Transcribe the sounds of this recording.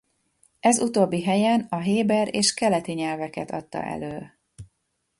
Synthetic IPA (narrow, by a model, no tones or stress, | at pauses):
ɛzut̪oːbːiɦɛjɛnɒɦeːbɛɾeːʃkɛlɛt̪iɲɛlvɛkɛt̪ʰɒ̰t̪ːɒ̰ʔɛ̰løː